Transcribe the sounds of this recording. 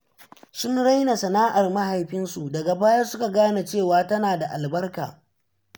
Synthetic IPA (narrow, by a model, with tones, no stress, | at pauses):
sʊ˦nɽa˦jna˨sɐ˨naː˦ʔa˨rma˦ɦa˨jɸɪ˦nsu˨dɐ˨ɡa˨baː˦jɐ˦sʊ˦ka˨ɡaː˦na˨t͡ʃeː˦˨waː˨tɐ˦naː˨da˨ʔa˨lbɐ˦rka̰ː˨